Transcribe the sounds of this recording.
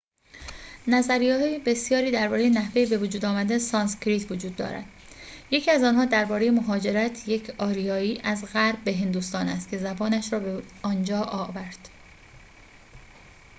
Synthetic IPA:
næzæɾijɒːɦɒːjebe̞sjɒːɾiːd̪æɾbɒːɾejenæhve̞jibe̞vod͡ʒuːd̪ɒːmæd̪esɒːnskɾit̪ʰvod͡ʒuːd̪̚ːɒ̰ːɾæ̰d̪̥ | je̞cʰiːæzɒːnɦɒːd̪æɾbɒːɾe̞je̞moɦɒːd͡ʒe̞ɾæt̪ʰje̞cʰɒːɾijɒːiːʔæzɣæɾbːe̞ɦe̞nd̪uːst̪ɒːnæst̪̚cʰe̞zæbɒːnæʃɾɒːbeɒːnd͡ʒɒːʔɒːvæɾd̪̥

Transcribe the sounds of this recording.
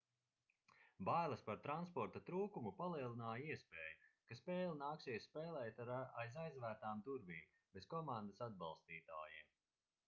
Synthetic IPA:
bajlˠɐspaɾt̪ɾanspɔɾt̪at̪ɾuːkumupalˠiɛlˠinaːjiɛspeːjukaspɛːlˠinaːksʲiɛsspɛːlˠɛːt̪aajzajzvæːɾt̪aːmt̪uɾviːm | beskɔmãnd̪asad̪̚bɑ̰lˠst̪iːt̪aːjiːm

